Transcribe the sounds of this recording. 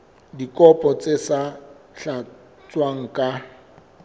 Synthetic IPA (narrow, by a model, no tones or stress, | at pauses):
dikʼɔpʼɔt͡sʼesa | ɬa | t͡sʼwaŋ̩kʼa